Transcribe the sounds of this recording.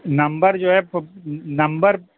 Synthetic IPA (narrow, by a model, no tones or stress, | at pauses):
nɐ̃mbəɾd͡ʒoːɦɛ | nɐ̃mbəɾ